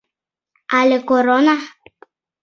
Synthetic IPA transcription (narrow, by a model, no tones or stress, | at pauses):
alekoɾona